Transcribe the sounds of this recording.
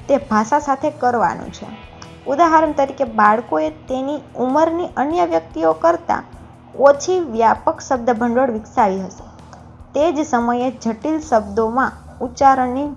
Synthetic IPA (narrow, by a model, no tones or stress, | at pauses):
t̪ebʱaʃasat̪ʰekəɾʋa̰nṵ̃t͡ʃʰḛ | ud̪aɦaɾəmt̪əɾikebaɭkoet̪eniuməɾniʔənjəʋjək̚t̪iokəɾt̪a̰ | kot͡ʃʰiʋjapəkʃəb̚d̪əbʱəɳɖoɽʋɪksaʋiɦəʃe̥ | t̪ed͡ʒsəməjed͡ʒʱəʈilʃəbd̪omã | ut͡ʃaɾəɳːi